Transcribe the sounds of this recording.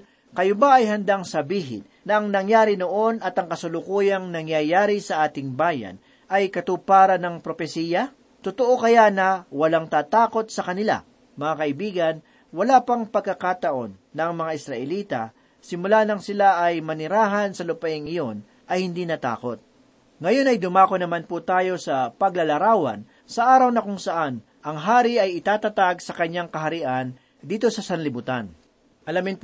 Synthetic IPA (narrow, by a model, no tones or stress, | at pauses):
kɐjobaɐjɦɐnd̪aŋsɐbiːɦɪ̰nnɐʔɐŋnɐŋjaːɾɪnoʔo̞nɐt̪ɐŋkɐsʊlʊkuːjɐŋnɐŋjajaːɾɪsɐʔaːt̪ɪŋbaːjɐ̰n | ʔɐjkɐt̪uːpaːɾɐnɐŋpɾofɛsiːjɐ | t̪ʊt̪oʔokɐjanɐwɐlaŋt̪aːt̪aːko̞t̪̚sɐkɐnɪla̰ | mɐŋakɐʔɪbiːɡɐn | wɐlaːpɐŋpɐɡ̚kːɐkaːt̪ɐʔo̞̰nːɐŋmɐŋaʔɪsɾɐʔɛliːt̪ɐ̰ | sɪmʊlaːnɐŋsɪlaʔɐjmɐnɪɾaːɦɐnsɐlʊpɐʔɪŋɪjo̞n | ʔɐjhɪnd̪iːnɐt̪a̰ːko̞t̪̚ | ŋɐjo̞nɐjd̪ʊmaːkonɐmanput̪aːjo̞sɐpɐɡlɐlɐɾaːwɐ̰n | sɐʔaːɾɐwnɐkʊŋsɐʔan | ʔɐŋɦaːɾɪʔɐjɪt̪aːt̪ɐt̪aɡsɐkɐɲːaŋkɐɦɐɾɪʔan | d̪iːt̪o̞sɐsɐnlɪbʊt̪an | ʔɐlamɪnp